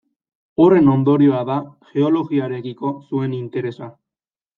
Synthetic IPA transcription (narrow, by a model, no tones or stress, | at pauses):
o̞re̞no̞nd̪o̞ɾio̞aðaxe̞o̞lo̞ɣiaɾe̞kiko̞sue̞nint̪e̞ɾe̞sa